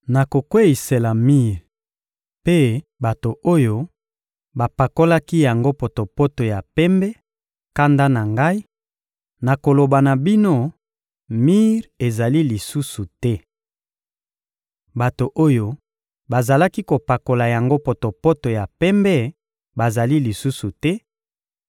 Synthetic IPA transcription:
na˨ko˨kwe˦i˨se˨la˨mi˦ʁ | pe˦ba˨to˨o˦jo˦ | ba˨pa˨ko˦la˦ki˦ja˨ŋɡo˦po˨to˨po˦to˨ja˨pɛ˦mbɛ˦ | ka˦nda˦na˨ŋɡa˦i˦ | na˨ko˨lo˨ba˨na˨bi˦no˦ | mi˦ʁe˨za˨li˦li˨su˦su˨tɛ˦ | ba˨to˨ʔo˦jo˦ | ba˨za˨la˦ki˦ko˨pa˨ko˨la˨ja˨ŋɡo˦po˨to˨po˦to˨ja˨pɛ˦mbɛ˦ | ba˨za˨li˦li˨su˦su˨tɛ˦

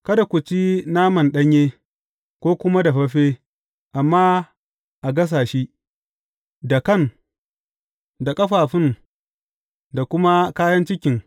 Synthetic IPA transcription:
kɐ˦da˨kʷʊ˨t͡ʃi˦naː˦mɐ˨nɗɐ˦ɲjeː˦ | kʷoː˦kʷʊ˦ma˦da˨ɸɐ˦ɸeː˦ | ʔa˨mːaː˦ | ʔa˨ɡɐ˦s̬aː˨ʃi˦ | da˨kɐ˦˨n | da˨kʼɐ˦ɸaː˨ɸɪ˦n | da˨kʷʊ˦ma˦kaː˦jɐ˦nt͡ʃɪ˦kʲɪ˨ŋ

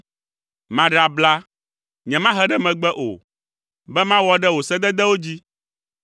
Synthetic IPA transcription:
mã˨ɖa˨bla˦ | ɲɛ̃˨mã˦ɦɛ˦ɖɛ˦mɛ̃˨ɡ͡bɛ˦ʔo̰˨ | bɛ˦mã˦wɔ˦ɖɛ˦wo˨sɛ˦d̪ɛ˦d̪ɛ˦wo˦d͡ʑi˦

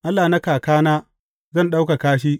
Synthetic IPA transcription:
ʔa˦lːaː˨na˦kaː˨kaː˦naː˦ | zɐ˦nɗa˦wka˨kaː˦ʃ̬iː˦

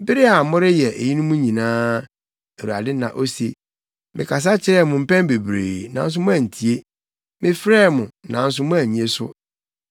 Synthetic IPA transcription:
bɪ˦ɾɪ˦a˨mʊ̃˦ɾɪ˦jɛ˨ʔe˨ji˦nʊ̃˦mũ˦ɲĩ˨nãː˦ | e˨ɾu˨a̰˨dɪ˦nã˨ʔo˦se˨ | mɪ̃˨kʰa˨s̬a˦t͡ɕʰɪ˨ɾɛ˦˨mʊ̃˨m̩˦pɛ̃˦m˦be˨bɾḛː˨nã̰˨n̩˦s̬ʊ˦mʊ̃˦æ˨n̩˨tʰi˨e˦ | mɪ̃˦fɾɛː˦mʊ̃˨nã˨n̩˦s̬ʊ˦mʊ̃˦æ˨ɲĩ˨e˦sʊ̰˦

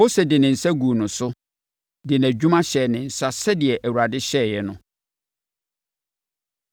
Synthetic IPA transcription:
o˦se˨dɪ˨nɪ̃˨n̩˨sa˦ɡu˨nʊ̃˨sʊ˦ | dɪ˨n˨æ˨d͡ʑᶣu˦mã˦ɕɛ˨nɪ̃˨n̩˨sa˦sɛ˦dɪ˨ɛ˨ʔæ˨wu˨ɾa˨dɪ˦ɕɛː˦˨jɛ˨nʊ̃˨

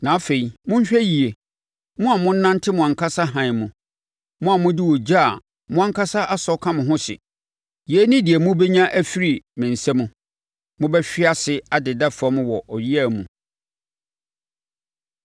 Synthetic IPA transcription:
nã˨a˦fe˨i˨mʊ̃˦ɲ˦ɕᶣɛ˦ji˨e˨ | mʊ̃˦a˨mʊ̃˦n̩˦nã˦ntʰɪ˦mʊ̃˨ã˨ŋkʰa˦sa˦ɦã˨ɪ̃˨mũ˨ | mʊ̃˦a˨mʊ̃˦dɪ˦wɔ˨d͡ʑa˦˨ | mʊ̃˦ã˦ŋ˦kʰa˦sa˦ʔa˦sɔ˦kʰã˦mʊ̃˨ɦʊ̃˦ɕɪ̰˨ | je˨˦nɪ̃˦dɪ˨ɛ˨mũ˦bɛ˦ɲã˦ʔæ˦fi˦ɾi˨mɪ̃˨n̩˨sɛ˦mũ˦ | mʊ̃˦bɛ˦ɕᶣɪ˦a˦sɪ˦a˨dɪ˨da˦fɔ̃˨˦m̃˦wɔ˨ʔɔ˨ɥi˦æ˦˨mũ˨

